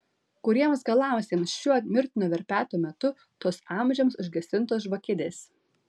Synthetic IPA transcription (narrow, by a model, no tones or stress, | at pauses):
kʊɾʲiɛmsɡɐlˠɑˑʊsʲeːmsʃʲuɔmʲɪɾʲt̪ʲɪnʲuːʋʲɛɾʲpʲæːt̪uːmʲɛt̪ʊ | t̪uɔsɑˑmʲʒʲɛmsʊʒʲɡʲɛsʲɪnt̪oːsʒʋɐkʲɪd̪ʲeːs